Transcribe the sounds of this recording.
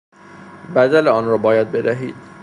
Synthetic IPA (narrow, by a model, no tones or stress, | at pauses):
bæd̪æleɒːnɾɒːbɒːjæd̪̚be̞d̪æɦḭːd̪̥